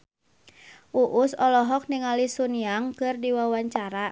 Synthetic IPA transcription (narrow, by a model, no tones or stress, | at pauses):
ʔuʔʊsɔlɔɦɔk̚niŋalisuniaŋkɨrdiwawaɲt͡ʃaɾa